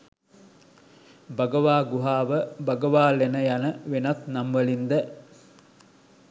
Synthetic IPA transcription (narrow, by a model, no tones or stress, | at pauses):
bəɡəʋaːɡuɦaːʋəbɐɡəʋaːlenəjanəʋenat̪namʋəlind̪ɛ